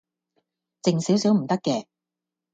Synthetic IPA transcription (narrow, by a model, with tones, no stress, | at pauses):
t͡sɪ˨ŋsiː˨˥wsiː˨˥wm̩˨˩t̪ɐ˥kːɛː˧